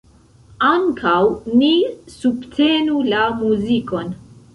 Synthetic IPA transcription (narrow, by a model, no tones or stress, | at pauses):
aŋkʰawnisubtʰe̞nulamuziko̞n